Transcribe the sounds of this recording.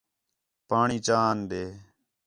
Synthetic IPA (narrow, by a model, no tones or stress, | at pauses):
paːɳiːt͡ʃaːnɗ̪eː